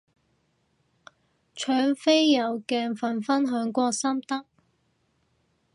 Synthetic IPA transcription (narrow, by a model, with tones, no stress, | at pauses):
t͡ʃʰœː˨˥ŋfe˥jːɐ˨˩wkɛː˧nfɐ˨˩nfɐ˥nɦœː˨˥ŋkʷɔː˧sɐ˥mt̪ɐ˥k̚